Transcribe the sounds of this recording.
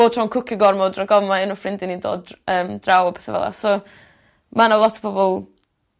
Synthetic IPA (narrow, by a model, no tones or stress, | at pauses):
oːd̥r̥ɔnkʰʊkʰɪɡɔrmɔdraɡɔvmaɪnɔfrɪndɪnindo̰ːdəːmd̥rawɔpʰɛθavɛ̰lˠa̰sɔ | manalˠɔtʰɔ̥bʰɔbɔlˠ